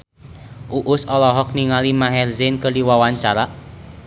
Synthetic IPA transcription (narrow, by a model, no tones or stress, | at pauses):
ʔuʔʊsɔlɔɦɔk̚niŋalimaɦɛrzɪnkəliwawaɲt͡ʃaɾaʔ